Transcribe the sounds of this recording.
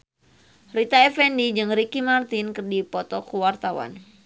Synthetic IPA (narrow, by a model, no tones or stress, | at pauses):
rit̪aɛfɛndid͡ʒɨŋɾikimart̪inkɨrdipɔt̪ɔkuwart̪awa̰n